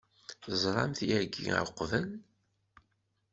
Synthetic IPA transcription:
θzˤɾˤɑ̰mθiæɾɡːḭə̰ɾqːvæl

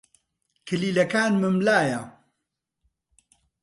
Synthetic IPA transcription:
kʰɨliːlɐkaːnmɨmlaːjɐ

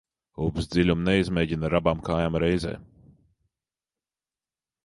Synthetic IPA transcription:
uːbsd̪zilʲumnɛizmʲɛːɟinaɾabaːmkaːjamɾɛjzɛ̰ː

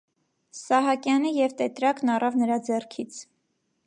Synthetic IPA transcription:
sɑɦɑkjɑnijɛvt̪ɛt̪ɾɑknɑrɑvnəɾɑd͡zɛrkʰit͡sʰ

